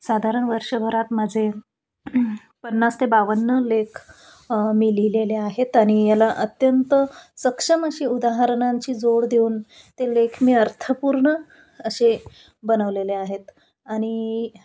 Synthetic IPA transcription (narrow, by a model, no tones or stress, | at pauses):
sad̪ʱaɾəɳʋəɾʂəbʱəɾat̪məd͡zʱe | pənːast̪ebaʋənːəlekʰ | milileleaɦet̪aɽ̃ijalaʔət̪jənt̪əsəkʂəməɕiːud̪aɦəɾɳaɲt͡ɕiːd͡zoɽd̪euːn | t̪elekʰmiːəɾt̪ʰəpuɾɳəː | ɕe | bənəʋleleaɦet̪ | aɽ̃i